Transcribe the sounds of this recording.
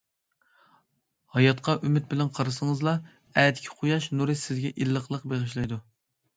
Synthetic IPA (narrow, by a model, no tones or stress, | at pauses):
hɑjɑt̪qʰɑʔymɪt̪̚bɪlɛnqʰɑɾɨsəŋəzlˠɑ | æːd̪ɪkʲʰɪ̥qʰojɑʃnuɾɨsɪzɡʲɛʔilˠːəqlˠəqbeʁɨʃ̬lˠijd̪u